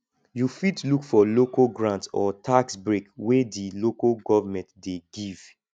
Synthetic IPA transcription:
jufitlukfɔlokaɡɹãntsɔtʰaksbɹekwedilokalɡɔvamɛ̃ntdeɡiv̥

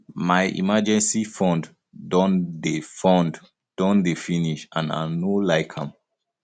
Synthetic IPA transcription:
majʔḭmad͡ʒɛ̃nsifɔ̃nd | dɔ̃ndefɔ̃nd | d̥ɔ̃ndefiniʃãna̰nolaɪkʰãm

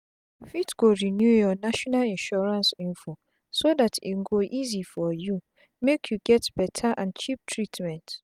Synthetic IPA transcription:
fitɡ̥oɹinjujɔnaʃɔnalĩnʃɔɹãnsĩnfo | sodatʰḭŋ̩ɡoʔizifɔju | mekʰjuɡɛtb̥ɛtʰaʔãnt͡ʃʰip̚tʰɹitʰmɛ̃nt

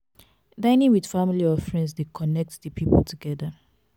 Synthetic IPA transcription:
dãɪ̃nĩŋwid̥familiɔfɹɛ̃ndsdekʰɔnɛk̚tðəpʰipə̰l̩tʰuɡɛdə

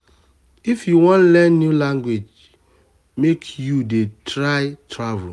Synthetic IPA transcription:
ifjuwɔ̃nlɛ̃nːjulãŋɡwed͡ʒ | mekʰjudetʰɹaɪtʰɹavl

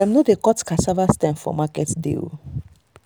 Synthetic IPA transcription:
ãmnodekɔtkasavastɛ̃mfɔ̰makɛtdḭl

